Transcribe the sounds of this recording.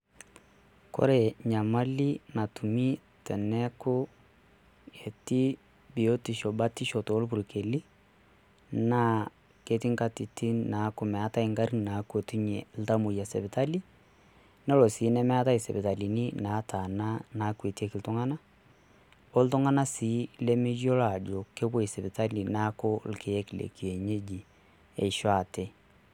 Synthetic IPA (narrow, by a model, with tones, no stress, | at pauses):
ko̰˦ɾe˨ɲa˨ma˦li˦na˨tu˨mi˦ | tɛ˨nɛ˦kʊ˦ | e˨ti˦ | bi˨o˦ti˨ʃɔ˨ba˦ti˦ʃɔ˨toː˨˦lp̬u˨ɾke˨li˦ | na˦ | ke˦tɪ˦ŋka˦ti˨ti˦na˨˦kʊ˨mɛ˨a˦ta˦ɪ˦ŋɡa˦ɾi˦n˨na˨˦ko˨tu˦ɲɛ̰˨l̩ta˦mu˨ja˨sɛ˨bɪ˨ta˦li˦ | nɔ˦lɔ˨siː˨˦nɛ˦mɛ˦a˦ta˦i˨sɛ̰˨bɪ˨ta˨li˨nɪ˦na˨˦tʰa˨na˦na˨˦kwe˨ti˦e˦kɪ˨ltʊ˦ŋa˦na˦ | o˦ltʊ˦ŋa˦na˦siː˨˦le˦mi˦d͡ʒo˦la˨d͡ʒo˨ke˦bwo˦i˨sɛ˨bɪ˨ta˦li˨na˦kʊ˦lke˨jɛ˦klḛ˨ki˨e˨ɲe˦d͡ʒi˨ | ɛ˨ʃo˦a˨te˦